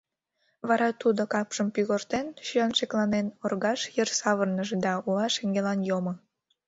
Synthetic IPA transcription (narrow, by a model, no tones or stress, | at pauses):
βɑɾɑt̪ud̪okɑpʃəmpyɣort̪enʃyɑnʃeklɑnenorɣɑʃjərsɑβərnəʒed̪ɑuɑʃeŋɡelɑnjomo